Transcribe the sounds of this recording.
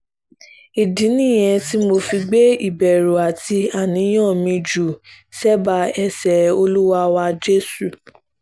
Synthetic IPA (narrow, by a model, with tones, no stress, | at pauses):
i˨dĩ˨˦nĩ˦˨j̃ɛ̃˧ti˦mo˧fi˧ɡ͡be˦i˦˨bɛ˨ɾo˨a˨ti˧a˦˨nĩ˨˦j̃ɔ̃˦˨mĩ˧d͡ʒu˨ | sɛ˦ba˧ɛ˧sɛ˨o˧lu˦wa˧wa˧d͡ʒe˦su˦˨